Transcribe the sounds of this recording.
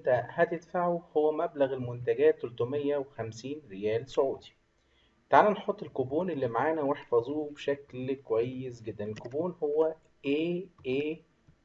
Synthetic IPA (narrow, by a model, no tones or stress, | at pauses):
nt̪æhæt̪et̪faʕuhowːæmæblæɣelmont̪æɡæːt̪ːoɾt̪ˤomejːæwexæmsiːnɾejæːlsoʕuːd̪i̥ | t̪aʕalænħot̪ˤːelkoboːnʔelːimaʕaːnæweħfɑzˤubeʃæklkowæjːesɡed̪ːænelkobuːnhowːæ | ʔeːʔeː